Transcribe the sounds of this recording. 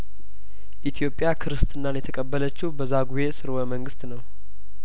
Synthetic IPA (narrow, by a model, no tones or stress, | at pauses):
ʔit̪ʰjo̞pʼjakʰɨɾɨst̪ʰʼɨnːanjɛt̪ʰəkʼəbːələt͡ʃːɪwbəzaɡuje̞sɨɾwəməŋɡɨst̪nəw